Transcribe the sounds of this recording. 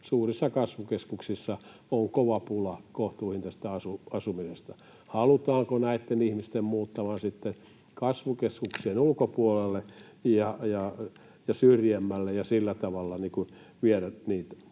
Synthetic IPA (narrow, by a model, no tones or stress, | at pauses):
suːrisːɑkɑsʋukeskuksisːɑ | oŋkoʋɑpulɑkoht̪uːhint̪æst̪æɑsuɑsumisest̪ɑ | hɑlut̪ɑːŋkonæit̪ːenihmist̪emmuːt̪ːɑmɑnsit̪ːen | kɑsʋukeskukseːnulkopuolelːe | jɑjɑ | jɑsyrjemːælːejɑsilːæt̪ɑʋɑlːɑnikun | ʋieræniːt̪